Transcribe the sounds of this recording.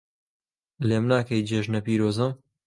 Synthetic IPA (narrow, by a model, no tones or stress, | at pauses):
leːmnaːkɐjd͡ʒeːʒnɐpiːɾoːzɐm